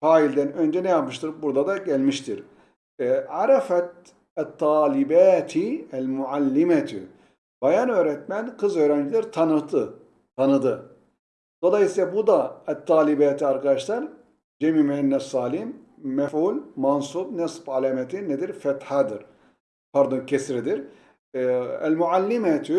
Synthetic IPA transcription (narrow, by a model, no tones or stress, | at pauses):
faːilʲd̪ænø̞nd͡ʒɛnɛjap̚mɯʃt̪ɯɾbuɾd̪ad̪aɟælʲmiʃt̪ʰiɾ | ʕaɾafɛt̪ | ɛt̪ʰːɑːlʲibæːt̪ʰiælʲmuʕalʲːimɛt̪ʰy̰ | b̥ajanø̞ːɾɛt̪mænkɯzø̞ːɾænd͡ʒilʲæɾt̪ʰanɯt̪ʰɯ | t̪ʰanɯd̪ɯ | d̪̥o̞lˠɑjisiːabud̪aæt̪ʰːɑːlibæːt̪ʰiaɾkad̪aʃlˠɑɾ | d͡ʒɛmimɛnːɛsˤːɑːlimː | ɛfʕuːlmansuːbnɛsˤbʕalæmɛt̪ʰinːɛd̪iɾfɛt̪ħad̪ɯɾ | pʰaɾd̪oncʰɛsɾid̪iɾ | æ̰lmuʕalːimæt̪ʰy